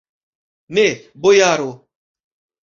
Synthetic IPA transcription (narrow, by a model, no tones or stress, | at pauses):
ne | bojaɾo